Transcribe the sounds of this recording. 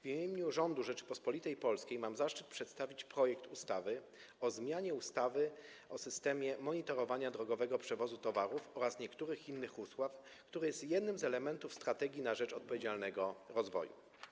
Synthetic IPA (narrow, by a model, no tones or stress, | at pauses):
vʲimʲjeɲuʐɔnd̪uʐɛt͡ʂɘ̥pɔspɔlʲit̪ɛjpɔlskʲejmamzaʂt͡ʂɘt̪̚pʂɛt̪st̪avʲit͡ɕpɾɔjɛkt̪ust̪avɘ | ɔzmʲjaɲɛust̪avɘ | ɔsɘst̪ɛmʲjɛmɔɲit̪ɔɾɔvaɲad̪ɾɔɡɔvɛɡɔpʂɛvɔzut̪ɔvaɾufɔɾasɲɛkt̪uɾɘxinːɘxuswaf | kt̪uɾɘjɛst̪jɛd̪̚nɘmzɛlɛmɛnt̪ufst̪ɾat̪ɛɡʲinaʐɛt͡ʂɔt̪̚pɔvʲed͡ʑalnɛɡɔɾɔzvɔ̰jṵ